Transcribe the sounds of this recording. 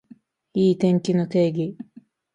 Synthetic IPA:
iːt̪ẽ̞ŋkʲinot̪e̞ːɡʲi

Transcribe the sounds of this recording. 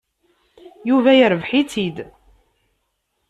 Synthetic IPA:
juvæjəɾəvħit͡sid̪

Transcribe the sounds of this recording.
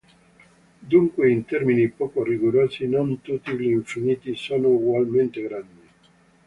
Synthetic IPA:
d̪uŋkweint̪ɛɾminipoːkoriɡoɾoːzinont̪ut̪iʎiiɱfiniːt̪isoːnouɡwalment̪eɡɾand̪i

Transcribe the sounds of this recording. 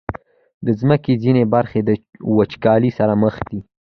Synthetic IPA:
d̪əzməkezinebaɾxed̪əwət͡ʃkɑlisaɾaməxd̪i

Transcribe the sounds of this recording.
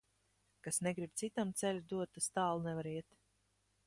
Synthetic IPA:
kasnɛɡɾib̚t̪sit̪amt̪sɛlʲud̪uɔt̪ːast̪aːlˠunɛvaɾiɛt̪

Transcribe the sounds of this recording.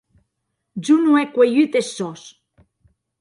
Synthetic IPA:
d͡ʒunuɛkwejyt̪esːɔs

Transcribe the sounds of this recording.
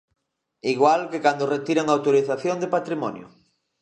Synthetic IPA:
iɣwalkekand̪oret̪iɾaŋawt̪oɾiθaθjond̪epat̪ɾimɔ̰njʊ̰

